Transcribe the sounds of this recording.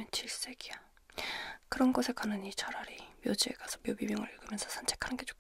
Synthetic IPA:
ent͡ɕiɭs͈e̞ɡ̥ia | kɯɾʌnɡʌsʰe̞kanɯnit͡ɕʰʌɾaɾimjʌd͡ʑiḛkasʰʌmjopimjʌŋɯ̰ɾiɭɡɯmjʌnsʰʌsʰant͡ɕʰekʰanɯnɡe̞t͡ɕo̥k

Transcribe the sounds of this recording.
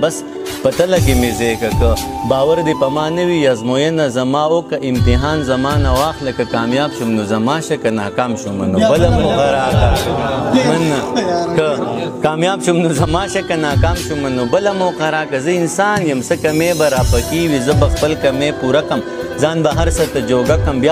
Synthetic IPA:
bɐs | pɐt̪ɐlɐkemezekɐkɐbaːwɐɾd̪ipɐmaːnɐwijazmoːjɐnazɐmaːokɐʔɪmt̪ɪɦaːnzɐmaːnɐwaːxlɐkɐkaːmjaːbʃumnozɐmaːʃɐkɐna̰ːkaːmʃumɐ̰nobɐlamoqaɾaːka | mɐnakɐkaːmjaːbʃumnozɐmaːʃɐkɐnaːkaːmʃumɐnobɐlɐmoːqɐɾaːkɐzɐɪnsaːnjɐmsɐkɐmeːbɐɾaːpɐkiwizɐbɐxpəlkɐmeːpuɾakɐmzaːnbɐɦɐɾsɐt̪ɐd͡ʒoːɡakɐmbjaː

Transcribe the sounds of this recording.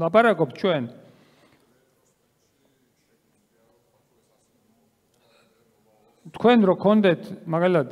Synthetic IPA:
lapaɾakɔpt͡ʃʰwɛn | t̪kʰwɛnɾɔkʰɔnd̪ɛt̪ʰmaɡalit̪ʰad̪

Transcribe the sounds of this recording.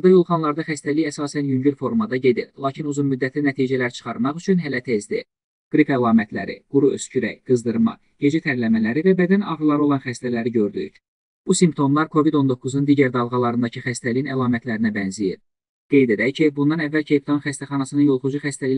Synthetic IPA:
d̪ɑjo̞lˠχɑnlˠɑɾd̪ɑχæst̪æliçæsɑːsænjyɲɟyɾfo̞ɾmɑd̪ɑɟe̞d̪iɾlˠɑːcʰinuzunmyd̪ːæt̪ʰænæt̪ʰiːd͡ʒælæɾt͡ʃʰɯ̥χɑɾmɑχyt͡ʃʰynɦælæt̪ʰe̞zd̪ḭ | ɡ̥ɾipælˠɑːmæt̪ʰlæ̰ɾḭɡ̥uɾuø̰scʰyɾæ̰ɡ̥ɯzd̪ɯɾmɑ̰ | ɟ̥e̞d͡ʒæt̪ʰæɾlæmælæɾivæbæd̪ænɑʁɾlˠɑɾo̞lˠɑnχæst̪ælæɾiɟø̞ɾd̪y̰ɾ | b̥usimpt̪ʰo̞mlˠɑɾkʰo̞vid̪o̞nd̪o̞kʰːuznund̪iːɟæɾd̪ɑlˠɣɑlˠɑɾɯnd̪ɑcʰɯxæst̪ælijinælˠɑːmæt̪ʰlæɾinæbænzijḭn | ɡ̥e̞jd̪e̞d̪æjcʰibund̪ɑnævːælcʰejp̚t̪onχæst̪æχɑnɑsɯnɯnjo̞lˠχud͡ʒuxæst̪æli

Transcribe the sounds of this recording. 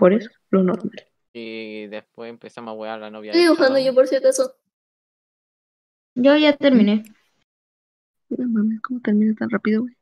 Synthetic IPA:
poɾeso̥lonot̪mel | eoxand̪oʝop̬oɾs̬jeɾt̪oeso | ɟ͡ʝoʝat̪eɾmĩne | iðamãmeskomot̪eɾmĩnet̪anrapiðowej

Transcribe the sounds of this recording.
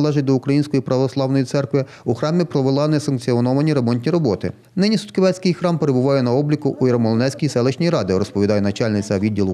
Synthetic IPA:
lˠɛʒɪt̚ʲd̪ɔukɾɐjinʲsʲkɔjipɾɐʋɔslˠɑwnɔjit̪sɛrkʋɪ | uxɾɑmʲipɾɔʋelˠɑnɛsɐnkt͡sʲiɔnɔʋɐnʲiɾemɔnʲtʲnʲiɾɔbɔt̪ɪ | nɪnʲisʊ̥t̪kɪʋɛsʲkɪjxɾɑmpeɾebʊʋɑjɛnɐɔblʲikʊʔuiɾɐmɔlˠɔnɛsʲkʲijsɛlˠɪʃnʲijɾɑd̪ɪɾɔspɔid̪ɑjɛnɐt͡ʃɑlʲnɪt͡sʲɐʋʲid̪ʲːilˠʊ

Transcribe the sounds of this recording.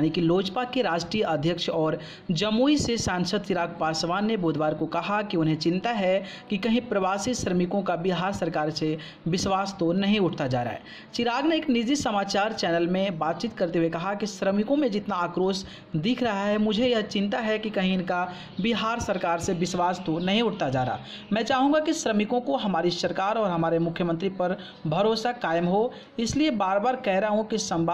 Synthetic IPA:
jnikiloːd͡ʒpakeɾaːd͡ʒʈɾiːjəʔəd̪ʱjəkʃɔːɾ | d͡ʒɐmuisesãːnsəd̪̚t͡ʃɪɾaːɡ̚paːsʋaːnːeboːd̪ʱʋaːɾkokɐɦakiʊnɦẽt͡ʃɪ̃nt̪aɦɛ | kikɐɦĩpɾɐʋaːsiʃɾəmɪkõkabɪɦaːɾsɐɾkaːɾse | bɪswaːst̪onɐɦĩʊʈʰt̪ad͡ʒa̰ːɾa̰ɦɛː | t͡ʃɪɾaːɡneeːknɪd͡ʒd͡ʒ̪ɪsɐmaːt͡ʃaːɾt͡ʃɛːnəlmẽbaːt̪̚t͡ʃiːt̪kəɾt̪eɦuekɐɦakisɾəmɪkõmẽd͡ʒɪt̪naːkɾoːs | d̪ɪkʰɾəɦaɦɛmʊd͡ʒʱejɐɦt͡ʃɪ̃nt̪aɦɛkikɐɦĩɪnka | bɪɦaːɾsəɾkaːɾsebɪswaːst̪onɐɦĩʊʈ̚ʰt̪ad͡ʒa̰ːɾa̰ː | mɛ̃ːt͡ʃaːɦũŋ̆ɡakisɾəmɪkõkoɦɐmaːɾisəɾkaːɾɔːɾɦɐmaːɾemʊkʰjəmə̃nt̪ɾipɐɾ | bʱɐɾoːsakaːɪmɦo | ɪsliebaːɾbaːɾkɛɦɾəɦũkisə̃mbʱa

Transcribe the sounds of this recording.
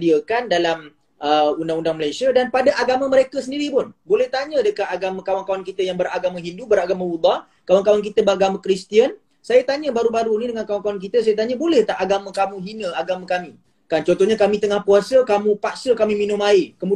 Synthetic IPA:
diəkandalam | ʔəundaŋundaŋməlajsiədanpadaʔaɡamə̃məɾekəsəndiɾipʊnbolɛht̪aɲə̃dəkat̪aɡamə̃kawankawankit̪əjaŋbəɾaɡamãɦindubəɾaɡamãwud̪ɑ | kawankawank̬it̪əbəaɡamãkɾist̪iən | sajat̪aɲə̃baɾubaɾunidəŋankawankawank̬it̪əs̬ajat̪aɲəbolɛht̪aʔaɡamə̃kamũɦinə̃aɡamãkamĩ | kant͡ʃɔnt̪ɔɦɲakamĩt̪əŋahpuasəkamũpaʔsəkamĩminʊmaɪkəmu

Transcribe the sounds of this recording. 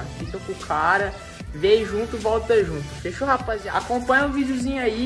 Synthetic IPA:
afik̪ɐ̃kũkʰaɾɐ | vejʒũt̪ʊvɔwt̪ɐʒũt̪ʊ̥feʃohapazĩɲakõpɐ̃ɲɐ̃ũvid͡ʒuzĩɲʊai

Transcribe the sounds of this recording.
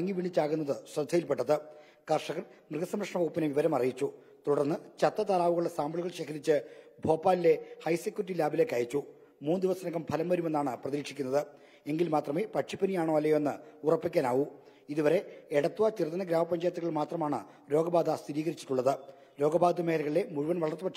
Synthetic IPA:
ɐŋːiʋiɳit͡ɕːaːɣunːɐðɨsrɐd̪ʱɐjilpeʈːɐðɨ | kɐrʂɐɣɐrmrɨɡɐsɐmrɐkʂɳɐʋɐɣupːineʋiʋɐɾɐmɐrijit͡ɕːu | t̪uɽɐrnːɨt͡ɕɐt̪ːɐt̪alaːʋuɣɐɭɽesaːmbɐɭuɣɐɭɕe̞ːkʰɐɾit͡ɕːɨbʱo̞ːpːaːlile̞hɐjsekʲːjuuʈːilaːbile̞kːɐjit͡ɕːu | muːnd̪iʋɐsɐnɐkːɐmpʰɐlɐmʋɐɾume̞nːaːɳɨprɐðiːkʂikʲːunːɐðɨ | e̞ŋɡilmaːt̪rɐmepɐʈʂipʰːɐnijaːɳoːɐlːɐjoenːɨurɐpːikʲːaːnaːʋu | iðuʋɐɾe̞eɽɐt̪ːuʋɐt͡ɕirt̪ːɐnɐɡɾaːmɐpːɐɲd͡ʑaːjɐt̪ːuɣɐɭmaːt̪rɐmaːɳɨ | ɾo̞ːɡɐbaːd̪ɐst̪iɾiːɣɐɾit͡ɕːi̥ʈːuɭːɐðɨ | ɾo̞ːɡɐbaːd̪ɐmeːlɐɣɐɭile̞muɻuʋɐnʋɐɭɐrt̪ːɨpɐʈ

